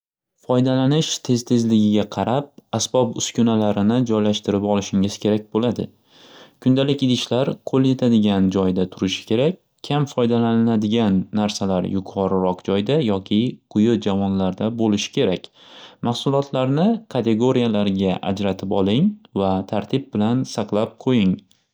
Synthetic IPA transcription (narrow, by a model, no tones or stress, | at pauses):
fɒjd̪alanɪʃt̪ʰe̞zt̪ʰe̞zlɪɡʲɪɡʲaqʰɑɾap̚asbɒpʊskʲʊnalaɾɪnɪd͡ʒɒjlaʃt̪ɪɾɪpɒlˠɪʃɪŋɪz̥kʲʰe̞ɾak̚ʲbolad̪ɪ̰ | kʰʊnd̪alɪkʲɪd̪ɪʃlaɾqʰolˠje̞t̪ʰad̪ɪɡʲand͡ʒɒjd̪at̪ʰʊɾɪʃɪ̥kʲʰe̞ɾakʲʰːamfɒjd̪alanɪnad̪ɪɡʲanːaɾsalaɾjʊqʰɒɾɪɾɒqd͡ʒɒjd̪ajɒkʲʰɪqʰʊjʊd͡ʒavɒnlaɾd̪abolɪʃɪ̥kʲʰe̞ɾakʲ | maχsʊlˠɒt̪ʰlaɾnɪkʰat̪ʰe̞ɡo̞ɾijalaɾɡʲaʔa̰d͡ʒɾat̪ʰɪpɒlˠɪŋvat̪ʰaɾt̪ʰɪb̚bɪlansɑqlˠap̚qʰojɪŋ